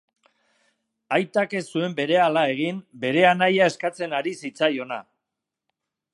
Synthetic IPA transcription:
ajt̪ake̞sue̞mbe̞ɾe̞alae̞ɣ̞imbe̞ɾe̞anajae̞skat͡se̞naɾisit͡sajo̞na̰

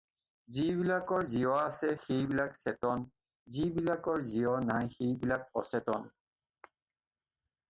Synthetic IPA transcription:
ziβilakɔɹziɔasɛxejbilaksɛtɔn | zibilakɔɹziɔnajxejbilak̚ɔsɛtɔn

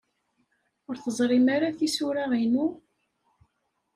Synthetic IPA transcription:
ʊɾθəzˤɾˤɪmaɾaθisuɾaʁinu

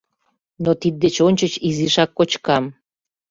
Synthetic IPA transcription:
not̪id̪̚ːet͡ɕonʲt͡ɕət͡ɕiziʃɑkːot͡ɕkɑm

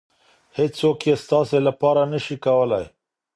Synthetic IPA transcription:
hed͡ʒsokjest̪ɑselapɑɾanəʃikawəlaj

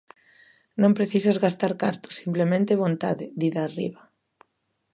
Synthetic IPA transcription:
nõmpɾeθisazɣast̪aɾkaɾt̪ʊ̥simplemẽnt̪eβont̪a̰ðɪðiðaːrḭβa

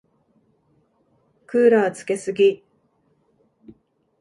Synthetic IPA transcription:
kɯ̟ːɾaat͡sɨ̥ke̞sɨɡʲi

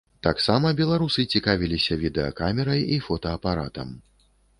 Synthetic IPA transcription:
t̪aksamɐbʲɛlˠaɾusɨt͡sʲikavʲilʲisʲɐvʲid̪ɛɐ̰kamʲɛɾɐjifɔt̪ɐːpaɾat̪ɐ̰m

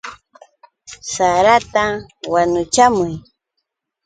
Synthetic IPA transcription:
saɾat̪awanʊt͡ʃamʊj

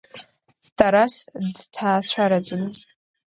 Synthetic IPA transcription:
tʰaɾasdtʰaːt͡ɕʷʰaɾad͡zʼɨmɨztʼ

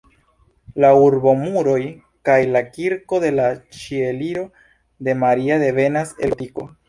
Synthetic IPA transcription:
lauɾbo̞muɾo̞j | kajlakiɾko̞de̞lat͡ʃieliɾo̞ | de̞maɾiade̞ve̞nase̞̰lpiko̞̰

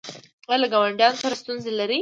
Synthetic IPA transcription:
ɣalaɡɑwaɳɖjɑnosaɾast̪unzelaɾi

